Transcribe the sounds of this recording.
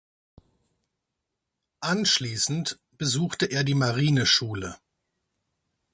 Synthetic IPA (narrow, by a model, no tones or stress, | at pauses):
ʔanʃliːsn̩t | b̥əzuːxtəʔeːɐdiːmaʁiːnəʃuːlə